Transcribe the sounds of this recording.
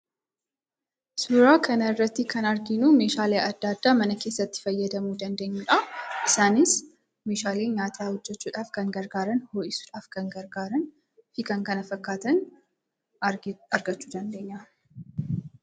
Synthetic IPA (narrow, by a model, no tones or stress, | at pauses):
sʊɾaːkʰɐnɐɪrːɐt̪ːɪkʰɐnɐɾɡɪnuːme̞ːʃaːleːʔɐd̪ːaːd̪ːaːmɐnɐke̞ːsːɐt̪ːɪ̥fɐjːɐd̪ɐmuːd̪ɐnd̪e̞ːɲːʊᶑaʔɪsaːnɪs | me̞ːʃaːleːɲaːt̪ʰaːhɔd͡ʒːɛt͡ʃːuːᶑaːfkɐŋɡɐɾɡaːɾɐnhoːʔɪsu̥ːᶑaːfkɐŋɡɐɾɡaːɾɐn | hɪkɐŋkɐnɐfɐkːaːt̪ɐn | ɐɾɡɐt͡ʃːu̥ːd̪ɐnd̪e̞ːɲːɐ